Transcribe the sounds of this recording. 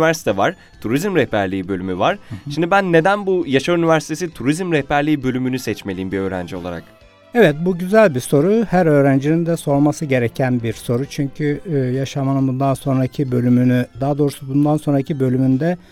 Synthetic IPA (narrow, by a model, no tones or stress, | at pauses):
væɾsi̥t̪ʰɛvaɾ̥ | t̪ʰuɾizmɾɛhpæɾlʲiːbø̞lʲymyvaɾ̥ʃimd̪ibænːe̞d̪ænbujaʃaɾynivæɾsi̥t̪ʰe̞sit̪ʰuɾizmɾɛhpæɾlʲiːibø̞lʲymynysɛt͡ʃme̞lʲiːmbiø̞ːɾæ̰nd͡ʒio̞lˠa̰ɾa̰k | evɛt̪̚buɟyzælʲbiso̞ɾuhæɾø̞ːɾænd͡ʒinind̪ɛso̞ɾmasɯɟe̞ɾecʰænbiɾso̞ɾut͡ʃʰyɲcʰyjaʃamanɯnbund̪anso̞nɾacʰibø̞lʲymynyd̪aːd̪o̞ːɾusubund̪anso̞nɾacʰibø̞lʲymynd̪ɛ